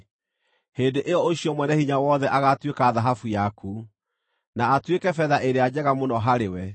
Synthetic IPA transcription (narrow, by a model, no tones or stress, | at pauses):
heːndeʔeɔoɕiɔmwɛnɛhiɲawɔðɛʔaɣatwekaːðaɦafujaku | naːtwekɛfɛðaʔeɾead͡ʑɛɣamonɔɦaɾewɛ